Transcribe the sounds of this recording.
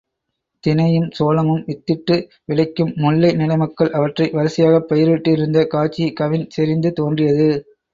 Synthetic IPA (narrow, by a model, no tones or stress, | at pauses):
t̪ɪnɐjɯmsoːlɐŋɯmɪt̪ːɪʈːɯ | ʋɪɭɐɪkːɯmːʊɭːɐɪnɪlɐɪmɐkːɐɭʔɐʋɐʈrɐɪʋɐɾɐsɪjaːɣɐpːɐjɪɾʋɪʈːɯɪɾɯnd̪ɐkaːt͡ʃːikɐʋɪnsɛɾɪnd̪ɯt̪oːndrɪjɐðɯ